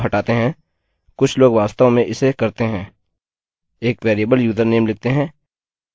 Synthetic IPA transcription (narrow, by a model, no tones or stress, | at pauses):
ɦɐʈaːt̪eɦɛ̃ː | kʊt͡ʃʰloːɡʋaːst̪aõmẽʔɪsekɐɾt̪eɦɛ̃ː | eːkʋeːɾjebəljuːzəɾneːmlɪɡ̚t̪eɦɛ̃ː